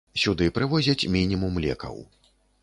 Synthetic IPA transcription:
sʲud̪ɨpɾɨvɔzʲɐt͡sʲmʲinʲimumlʲɛ̰kɐ̰w

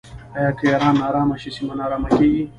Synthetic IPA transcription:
ajakejaɾaːnaɾaːmaɕisimanaɾamakii

